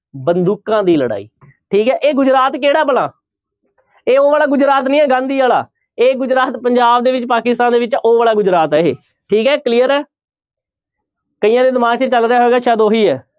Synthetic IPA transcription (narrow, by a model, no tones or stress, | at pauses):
bənd̪uːkãːd̪iːləɽa̰ːḭː | ʈʰiːkɦɛːʔeːɡʊd͡ʒɾaːt̪keːɽaːbəlaː | eːoːʋaːlaːɡʊd͡ʒɾaːt̪nĩːɛːɡãːnd̪iːaːla̰ː | eːɡʊd͡ʒɾaːt̪pəɲd͡ʒaːb̚d̪eːʋɪt͡ʃpaːkɪst̪ãːnd̪eːʋɪt͡ʃoːʋaːɭaːɡʊd͡ʒɾaːt̪ɛːɦḛː | ʈʰiːkɦɛːkliːəɾɛː | kəiːjãːd̪eːd̪ɪmaːɡt͡ʃət͡ʃəlɾejaːɦoeːɡaːʃaːd̪oːɦiːɛː